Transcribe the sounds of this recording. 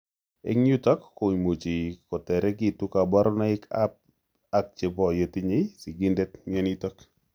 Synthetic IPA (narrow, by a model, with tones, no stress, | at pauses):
ḛ˦ŋɲu˦tɔ˦kːo˨mo˨t͡ʃi˨kɔ˨tɛ˨ɾɛ˦ɡi˦˨tu˦ka˨ba˦ɾɔ˦na˦ɪ˦ka̰p̚ | a˨k̚t͡ʃɪ˨bɔ˨je˨ti˦ɲe˦si˨ɡi˦ndɛ˦tɲɛ˦ni˦tɔ˦k